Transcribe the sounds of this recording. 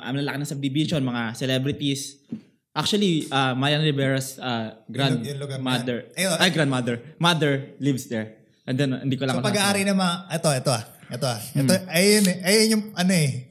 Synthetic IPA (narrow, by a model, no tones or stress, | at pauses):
ʔɐ̰mlɐlɐkɪnɐsɐb̚d̪ɪbiʃonmɐŋasɛlɛbɾɪt̪is | ʔak̚t͡ʃuɐliʔamajanɾɪbɛɹɐsaɡɾãnd̪lʊɡmad̪ɛɹoaɡɾãnd̪̚mad̪ɛɹmad̪ɛɹlivsd̪ɛɹ | ʔɛ̃nd̪ɛnhɪ̰nd̪iːkolɐŋkɐpɐɡaʔaːɾinɐmɐŋaʔɛt̪oʔɛt̪o̞aʔɛt̪oaɛoɐjʊnɛʔɐjɪɲʊʔɐnoʔɛ